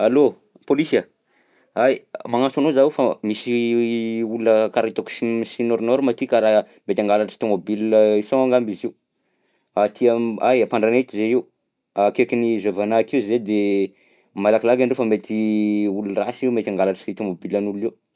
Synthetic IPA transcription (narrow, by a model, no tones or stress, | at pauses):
alo | polisia | ajmaŋasanozaiufamisi | ulunəkaɾait̪aku̥sisinoɾnɔɾumat̪ikaɾaɦ | met̪ʲaŋɡalaʈ͡ʂə̥t̪omobilisoaŋɡambizi | at̪ʰiaajapaɳɖ͡ʐanet̪izeiw | akekinizevanakiuzed̪e | malakilaɡaɳɖ͡ʐewfamet̪ʰiulurasiwmet̪aŋɡalaʈ͡ʂə̥t̪it̪omobilanuluiw